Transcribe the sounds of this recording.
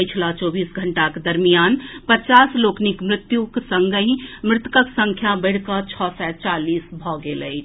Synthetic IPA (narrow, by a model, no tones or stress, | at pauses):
jt͡ʃʰlat͡ʃɔbisɡʱəɳʈaked̪əɾmijanpət͡ʃasloknikmɾɪt̪juksəŋɡəɦĩmɾɪt̪kəksə̃ŋkʰjabəɽ̤kət͡ʃʰɔsɛt͡ʃalisbʱɔɡeləɪt͡ʃʰ